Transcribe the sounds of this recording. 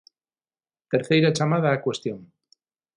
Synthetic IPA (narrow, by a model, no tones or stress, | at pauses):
t̪eɾθejɾat͡ʃamað̞aːkwest̪joŋ